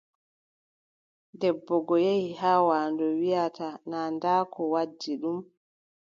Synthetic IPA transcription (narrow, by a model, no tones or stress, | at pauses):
dɛbːɔɡɔjehihaːwaːndɔwijatanaːndaːkʰɔwad͡ʒːiɗum